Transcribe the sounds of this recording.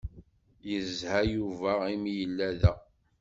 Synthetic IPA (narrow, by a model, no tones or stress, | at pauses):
jəzhæjuvæimijəlːæðæ